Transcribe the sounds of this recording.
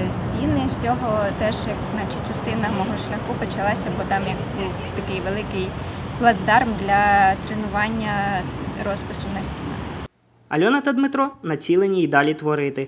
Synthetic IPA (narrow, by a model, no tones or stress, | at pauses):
sʲtʲinɪsʲt͡sʲɔɦɔt̪ɛʒjɐk̪nɑt͡ʃɪt͡ʃɐst̪ɪnɐmɔɦɔʃlʲɐxupɔt͡ʃɐlˠɑsʲɐbɔt̪ɑmjɐk | t̪ɐkɪjʋelˠɪkɪj | plˠɐzd̪ɑrmd̪lʲɐt̪ɾenʊʋɑnʲːɐɾɔspɪsʊnɐsʲtʲinɑ̰ | ɐ̰lʲɔnɐt̪ɐd̪mɪt̪ɾɔnɐt͡sʲilˠenʲiːd̪ɑlʲit̪ʋɔɾɪt̪ɪ